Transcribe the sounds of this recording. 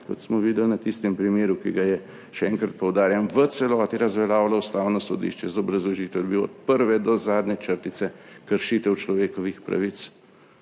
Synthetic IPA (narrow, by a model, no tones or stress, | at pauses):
kɔt̪smɔʋiːd̪ɛlnɐt̪ist̪ɛmpɾimeːɾukiɡajɛ | ʃɛɛŋkɾɐt̪̚pɔwd̪aːɾjanʋət̪sɛlɔːt̪iɾɐzʋɛlaːwlaust̪aːwnɔsɔd̪ḭːʃt͡ʃɛzaɔbɾɐzlɔʒiːt̪ɛwd̪biwɔ̰t̪̚pəɾʋɛd̪ɔzaːd̪nɛt͡ʃəɾt̪it̪sɛkəɾʃiːt̪ɛwt͡ʃlɔʋeːkɔʋixpɾa̰ʋit̪s